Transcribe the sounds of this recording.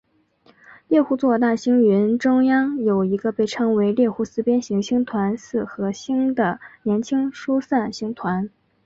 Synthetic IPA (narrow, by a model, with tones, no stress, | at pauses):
ljɛ˥˧xu˥˧t͡swɔ˥˧t̪a˥˩ɕi˥ŋɥy˧˥nʈ͡ʂʊ˥ŋjɑ˥ŋjo˨˩ʊi˧˥ɡə˧pe˥˩ɪʈ͡ʂʰɤ˥ŋwe˧˥ɪljɛ˥˩xu˥˩sɹ̩˥pjɛ˥nɕi˧˥ŋɕʰi˥ŋt̪ʰwa˧˥nsɹ̩˥˩xɤ˧˥ɕi˥ŋd̪ə˨njɛ˧˥nt͡ɕʰi˥ŋʂu˥sa˥˩nɕi˧˥ŋt̪ʰwa˧˥n